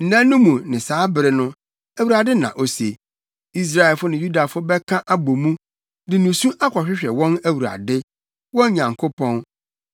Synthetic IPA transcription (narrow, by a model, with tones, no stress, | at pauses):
n̩˨nã˦nːũ˦mũ˨nɪ̃˨saː˨˦bɪ˨ɾɪ˦nʊ̃˦ | æ˨wu˨ɾa˨dɪ˦nã̰˨ʔo˨sḛ˨ | i˦s̬ɾa˦ɛ˨lfʊ˦nɪ̃˨ju˦da˨fʊ˦bɛ˦kʰã˦ʔa˦bo˨mũ˦ | dɪ̃˨nũ˨sũ˦ʔa˦kʷʰɔ˨ɕᶣɪ˦ɕᶣɛ˨wɔ̃˦næ˦wu˨ɾa̰˨dɪ˦ | wɔ̃˦n˦ɲã˨ŋkʰʊ˦pʰɔ̃˦n